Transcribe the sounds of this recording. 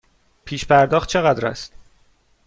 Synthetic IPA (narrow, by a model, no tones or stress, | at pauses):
pʰiːʃpʰæɾd̪ɒːxt̪̚t͡ʃʰe̞ɣæd̪ɾæ̰st̪